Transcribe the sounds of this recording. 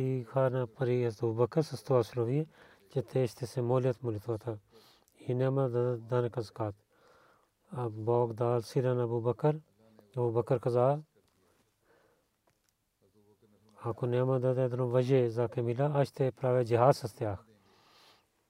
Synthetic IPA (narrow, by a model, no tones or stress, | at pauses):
iːkʰaːnapɐɾiːɦɐst̪ɐbuːbɐkɐɾsɐst̪oːɐsloʋie | t͡ʃet̪ʰːeɐʃt̪ʰesemoːljɐt̪mulit̪ʰʋaːt̪ʰa | hinemɐd̪ɐd̪ɐnkɐzkaːt̪ | ɐboːkd̪aːlsiɾɐnɐbuːbɐkəɾ | ɐbuːbɐkəɾkɐzaː | aːkoneːmɐd̪ɐd̪ed̪nõːʋɐd͡ʒezaːkemilaɐʃt̪epɾaːʋeːd͡ʒiɦaːd̪sɐst̪eaːkʰ